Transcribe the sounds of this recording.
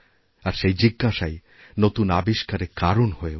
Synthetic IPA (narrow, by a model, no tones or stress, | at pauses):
aɾʃejd͡ʑiɡːaʃaj | not̪unabiʃkaɾekaɾonhoe